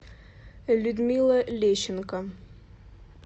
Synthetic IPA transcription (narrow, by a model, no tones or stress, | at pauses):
lʲʊd̪mʲilˠɐlʲeɕːɪnkə